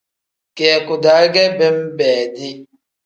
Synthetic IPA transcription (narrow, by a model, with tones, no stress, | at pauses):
kɛ˨kʊ˨da˨˦ɡɛ˦bɛ˦m̩˦bɛː˨dɪ˦